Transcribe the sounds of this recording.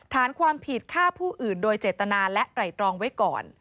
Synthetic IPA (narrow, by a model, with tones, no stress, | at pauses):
t̪ʰaː˩˦nkʰwaː˧mpʰi˨˩t̪̚kʰaː˥˩pʰuː˥˩ʔɯː˨˩ndoː˧jt͡ɕeː˨˩t̪ːa˧naː˧lɛ˦˥ʔtɾa˨˩jt̪ɾɔː˧ŋwa˦˥jkɔ̰ː˨˩n